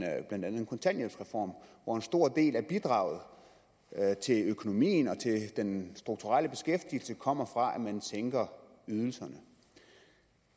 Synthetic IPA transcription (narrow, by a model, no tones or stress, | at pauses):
b̥lænd̥ænðˠenkʰo̽nt͡sʰænje̥sʁɛfɒ̰ːmʋɒe̝nsd̥o̝ɐ̰d̥e̝̰ːlæɐb̥id̥ʁɑ̈ːʊð̞̩ˠ | t͡sʰe̝løkʰo̝no̝mḭːnɒ̽t͡sʰe̝d̥ensd̥ʁuɡ̥̚t͡sʰuʁal̰əb̥e̝sɡ̥efd̥il̩səkʰɒ̽m̰ɐfʁɑ̈ʔæmænseŋɡ̥ɐ | yð̞ˠl̩sɐnə